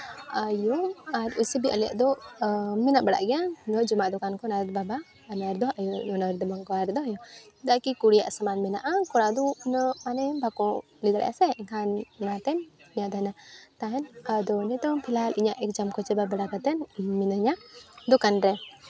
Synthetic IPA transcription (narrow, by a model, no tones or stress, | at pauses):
ajɔaɾusibiʔəla̰ʔd̪ɔ | mɛnaʔbɛɽa̰ʔɡɛanɔd͡ʒɔmaʔd̪ɔkankɔnat̪̚baba | naɾd̪ɔɦajɔɔnaɾd̪ɔbaŋkɔaɾd̪ɔɦajɔ | d̪akikuɽija̰ʔsamanmɛna̰ʔakɔɽad̪unəmanɛbʱakɔ̃ | lid̪aɽɛ̰ʔa̰sɛɛŋkʰannat̪ɛniɲad̪ʱanat̪aɦɛnad̪ɔnɛt̪ɔpʰilaliɲaʔɛk̚d͡ʒamkɔt͡ʃɛbabɛɽakat̪ɛnminəɲaʔd̪ɔkanɾɛ